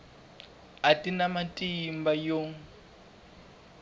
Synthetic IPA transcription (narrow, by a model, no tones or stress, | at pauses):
atʼinamatʼimbajoŋ